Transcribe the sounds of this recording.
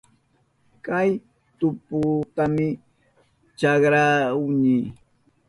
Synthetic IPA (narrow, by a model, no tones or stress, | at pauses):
kaj | t̪ʊpʊt̪amɪ | t͡ʃɑkɾaʊɲiː